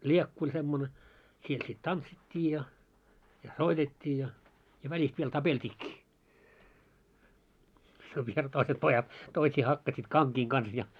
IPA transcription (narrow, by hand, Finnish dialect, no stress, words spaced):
lʲiekːu olʲ semːone siel sit tɑntsitʲːiː jɑ jɑ soitetʲːiː jɑ jɑ ʋælʲist ʋiel tɑpeltʲiːkːiː se ʋiel toiset pojɑt toisiː hɑkːɑsit kɑŋkiːŋ kɑns jɑ